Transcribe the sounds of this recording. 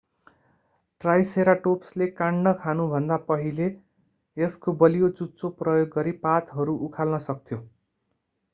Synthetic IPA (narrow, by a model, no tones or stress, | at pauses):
ʈrajseɾaʈopslekaɳnʌkʰanubʱʌnd̪apʌɦileː | skobʌlijot͡sut͡sːoprʌjoɡːʌɾipat̪ɦʌɾuʔukʰalnʌsʌk̚t̪ʰjo